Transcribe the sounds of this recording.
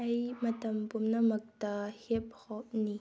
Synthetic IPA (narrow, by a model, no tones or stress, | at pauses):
ʔɐjmɐtɐmpumnɐmɐk̚tahip̚hɔp̚ni